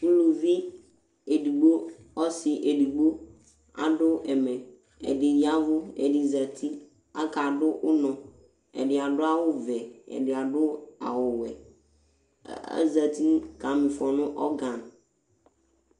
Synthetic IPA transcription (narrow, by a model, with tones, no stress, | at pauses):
u˦lu˨vi˦ | e˨di˨ɡ͡bo˦ | ɔ˦sɪ˨ʔe˨di˨ɡ͡bo˦ | a̰˦dʊ˦ɛ˨mɛ˨ | ɛ̰˨dɪ˨ja˦vʊ˦ɛ̰˨dɪ˨za˨tʰi˦ | a˦ka˨dʊ˦ʔʊ˦nɔ̃˨ | ɛ̰˨dɪ˨a˨dʊ˦a˦wʊ˦vɛ˨ɛ̰˨dɪ˨a˨dʊ˦a̰˨wʊ˨wɛ˨˦ | za˨t̪i˦ka˨mɪ̃˨fɔ˨nʊ̃˦ʔɔ˦ɡã˨n˨